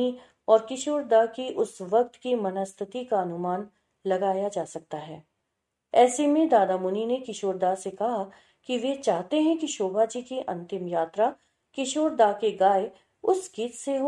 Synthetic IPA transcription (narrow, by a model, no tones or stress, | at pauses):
i | ɔːɾkɪʃoːɾd̪akiʔʊsʋɐk̚t̪kimɐnəst̪ʰət̪ikaɐnʊmaːn | lɐɡaːjad͡ʒaːsɐk̚t̪aɦɛː | ɛːsemẽd̪aːd̪amʊninekɪʃoːɾd̪asekɐɦa | kiʋet͡ʃaːɦt̪eɦɛ̃kiʃoːbʱad͡ʒiːkiʔɐ̰̃nt̪ɪmjaːt̪ɾa | kɪʃoːɾd̪akeɡaːe | ʊsɡiːt̪seɦo